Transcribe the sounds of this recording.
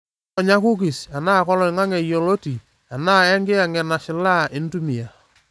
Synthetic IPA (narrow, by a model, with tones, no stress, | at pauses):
ɔ˨ɲa˦ku˦k̬i˨sa˨naː˦kɔ˦lɔ˨ɪ˨ŋa˦ŋɛ˨jo˨lo˦ti˨ | a˨na˦ɛ˦ŋɡɪ˦a˨ŋɛ˨na˨ʃɪ˨˦la˦ɪ˦n˦tu˦mi˨a˨